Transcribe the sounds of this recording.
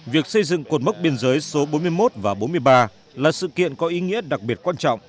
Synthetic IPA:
vi˨˩ək̚sə˧jzɨ̰˧˨ŋko˨˩nm˦˥k͡p̚ɓe˧ənzəː˨˦jso˨˦ɓo˨˦nmɨ˧əjmo˦˥t̚vaː˨˩ɓo˨˦nmɨ˧əjɓaː˧ | laː˨˩sɨ̰˧˨kḭ˧˨ənkɔ˨˦ʔi˨˦ŋḭ˧˥əɗa˨˩k̚ɓi˨˩ət̚kwaː˧nt͡ɕɔ̰˧˨wŋ͡m

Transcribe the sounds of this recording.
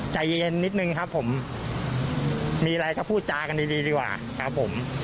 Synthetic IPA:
t͡ɕa˧jnni˦˥t̪̚nɯ˧ŋkʰa˦˥pʰːo˩˦m | miː˧a˧ɾa˧jkɔː˥˩pʰuː˥˩t̪̚t͡ɕaː˧ka˧ndiː˧diː˧diː˧kwa̰ː˨˩kʰa˦˥pʰːo˩˦m

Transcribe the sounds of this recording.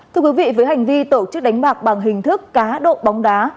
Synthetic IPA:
tt̪ʰɨ˧əkwi˨˦vḭ˧˨vəː˨˦jɦa˨˩jŋ̟vi˧t̪o˧˩t͡ɕɨ˦˥k̚ɗa˨˦ŋ̟ɓaː˨˩k̚ɓa˨˩ŋɦï˨˩ŋ̟t̪ʰɨ˦˥kːaː˨˦ɗo̰˧˨ɓa˨˦wŋ͡mɗaː˨˦

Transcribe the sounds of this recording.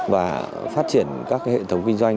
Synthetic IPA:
vaː˨˩ | faː˦˥t̚t͡ɕi˧˩ənkaː˦˥k̚hḛ˧˨t̪ʰə˨˦wŋ͡mkï˧ŋzwa˧jŋ̟

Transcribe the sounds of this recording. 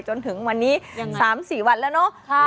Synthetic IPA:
t͡ɕo˧nt̪ʰɯ˩˦ŋwa˧nːiː˦˥ssaː˩˦msiː˨˩wa˧nlɛː˦˥˩wnɔ˦˥

